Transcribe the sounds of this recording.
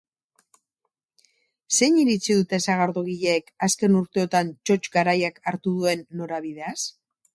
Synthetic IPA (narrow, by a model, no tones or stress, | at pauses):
se̞ɲiɾit͡siðut̪e̞saɣaɾðoɣiʎeːkaske̞nuɾt̪e̞o̞t̪ant͡ʃo̞t͡ʃɡaɾajakaɾt̪uð̞ue̞nːo̞ɾaβ̞ið̞e̞as